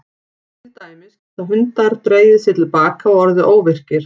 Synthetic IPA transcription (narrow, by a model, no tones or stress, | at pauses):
ɪt̪aːjmɪsθawɦʏnt̪aɾt̪ɾeːjðɪsjɛɾt̪ɪlpaːkaɔɔɾðɪʔoːwvɪr̥cɪɾ̥